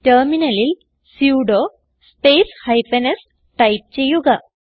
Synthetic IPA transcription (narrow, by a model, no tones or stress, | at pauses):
tɐrminɐlil | sjuːɖoː | spe̞ːshɐjpenɐs | ʈɐjp̚t͡ɕe̞jːuɣɐ